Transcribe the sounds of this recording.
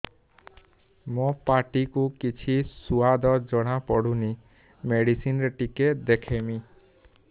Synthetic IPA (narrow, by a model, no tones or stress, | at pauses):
mõpaʈikukit͡ʃʰisuad̪ɔd͡ʒɔɽ̃apɔɽuni | meɽisinɾeʈiked̪ekʰemi